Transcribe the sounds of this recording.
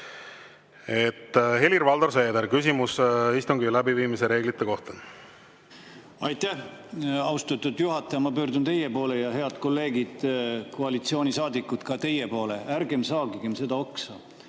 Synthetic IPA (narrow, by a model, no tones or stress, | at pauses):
et̪ːhe̞lirvɑld̪oɾseːd̪eɾkysʲimusist̪uŋɡilæbiviːmiseɾe̞ːɡlit̪ˑːeko̞ht̪en | ɑjt̪æhɑwst̪ɑt̪ːud̪̥juɦɑt̪ːˑɑjɑmɑpøːrd̪unt̪e̞jepo̞ːle̞jɑɦe̞ɑd̪ko̞lːe̞ːɡid̪̥ko̞ɑlit̪sio̞ːnʲisɑːd̪ikːˑut̪kɑt̪e̞jːepo̞ːle̞æɾɡe̞msɑːɡiɡ̥emse̞d̪ɑo̞ksɑ